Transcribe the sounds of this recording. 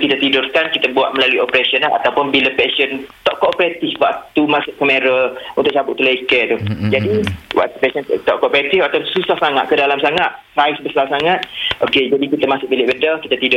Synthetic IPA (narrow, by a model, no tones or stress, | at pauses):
kit̪at̪idʊrkankit̪əbuaʔ̪̚məlaluiʔopɾesiənaa̰t̪awpʊnbilapɛsənt̪ɔʔkɔʔopɾat̪ɪfwaʔt̪umasʊʔkəmẽɾəlunt̪ʊʔ̚t͡ʃabʊʔ̚t̪ulaikət̪ud͡ʒadiwa̰ʔ̚t̪upɛsənt̪ɔʔkɔʔopɾet̪ɪfakt̪asusahsaŋa̰ʔ̪kədalamsaŋat̪̚sajsbəsalsaŋat̪̚ʔoked͡ʒadikit̪əmasʊʔ̚bilɪʔbədəkit̪at̪idʊ